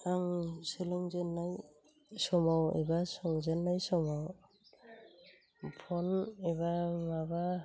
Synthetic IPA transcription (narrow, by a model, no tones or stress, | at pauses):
aŋselɔŋzenːaj | sɔmawɛ̰basɔŋzɛnːajsɔmaw | pʰɔnɛβamaba